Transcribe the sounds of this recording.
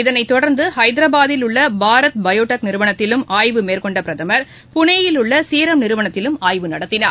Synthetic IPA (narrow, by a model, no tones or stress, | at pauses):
ɪðɐnɐɪt̪ːɔɽɐɾnd̪ɯhɐɪd̪ɪɾɐbaːðɪlʊɭːɐbaːɾɐt̪̚bɐjoːʈɐk̚nɪɾɯʋɐɳɐt̪ːɪlɯmaːjʋɯmeːɾkɔɳɖɐpɾɐðɐmɐɾ | pʊɳeːjɪlʊɭːɐsiːɾɐmnɪɾɯʋɐɳɐt̪ːɪlɯmaːjʋɯnɐɽɐt̪ːɪna̰ːɾ